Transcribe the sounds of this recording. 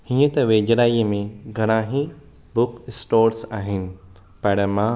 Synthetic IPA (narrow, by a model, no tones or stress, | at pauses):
ɦĩːə̃t̪ɐʋeːd͡ʑɾaːimẽɡʱɐɽ̃ãːɦi | bʊkɪsʈoːɾsaːɦɪnɪ̆ | pɐɽ̃əmã